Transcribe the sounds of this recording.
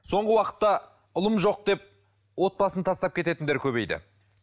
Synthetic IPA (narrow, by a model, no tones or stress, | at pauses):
so̞ɴʁəwɑqə̥t̪ːɑ | ʊlˠəmʒo̞q̚d̪e̞p̚ | wo̞t̪̚bɑsənt̪ʰɑst̪ɑp̚kʲe̞t̪e̞t̪ɪnd̪e̞ɾkʲʰɵβe̞jd̪ɪ̰